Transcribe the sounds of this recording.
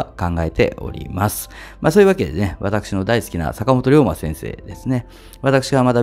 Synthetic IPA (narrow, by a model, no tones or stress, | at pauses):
kãŋɡae̞t̪e̞̰ʔo̞̰ɾʲḭmasɨ̥ | masoːjɯ̟βake̞d̪eneβa̰t̪akɯ̟̥ɕino̞d̪aisɨ̥kʲina̰sakamo̞t̪o̞ɾʲo̞ːma̰sẽ̞ɰ̃se̞̰ːd̪e̞sɨne̞ | βat̪akɯ̟̥ɕiɡamat̪a